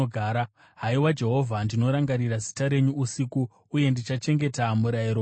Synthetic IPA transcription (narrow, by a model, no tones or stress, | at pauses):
ɡʱaːɾa | ɦaiwad͡ʒe̞ɦo̞vʱandino̞ɾaŋɡaɾiɾazi̥taɾe̞ɲuːsikuː | je̞ndit͡ʃat͡ʃe̞ŋɡe̞tamuɾaiɾo